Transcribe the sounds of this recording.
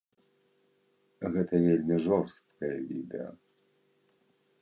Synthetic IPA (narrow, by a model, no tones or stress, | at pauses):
ɣɛt̪ɐvʲelʲmʲiʐɔrst̪kɐjɐvʲid̪ɛ̰ɐ̰